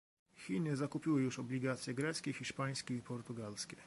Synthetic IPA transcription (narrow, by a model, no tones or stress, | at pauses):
xʲinɘzakupʲiwɘjuʂɔblʲiɡat̪sʲjɛɡɾɛt̪skʲɛxʲiʂpaj̃skʲɛipɔɾt̪uɡalskʲɛ